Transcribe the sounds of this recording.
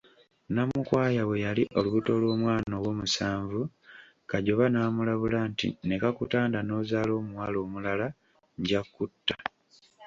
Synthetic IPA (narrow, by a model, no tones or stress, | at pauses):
namukwaːjaβwe̞jaliʔo̞luβuto̞lwo̞ːmwaːnoːwo̞ːmusaːɱvu | kaɟo̞βanaːmulaβulantḭne̞kakutaːndano̞ːzaːlo̞ːmuwaːlo̞ːmulala | ɲɟakːutːa